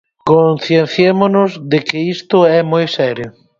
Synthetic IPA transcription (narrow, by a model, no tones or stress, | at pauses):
konθjen̟θjemonʊzðekɪist̪ʊɛmojsɛɾjʊ